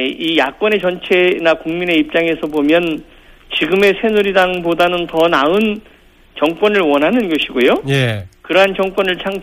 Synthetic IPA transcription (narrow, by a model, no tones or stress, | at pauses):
ijak͈wʌne̞t͡ɕʌnt͡ɕʰe̞nakuŋmine̞ip̚t͡ɕ͈aŋe̞sʰʌbomjʌn | t͡ɕiɡɯme̞sʰe̞nuɾidaŋbodanɯntʌnaɯn | t͡ɕʌŋk͈wʌnɯɭwʌnɦanɯnɡʌɕʰiɡojojekɯɾʌɦant͡ɕʌŋk͈wʌnɯɭt͡ɕʰaŋ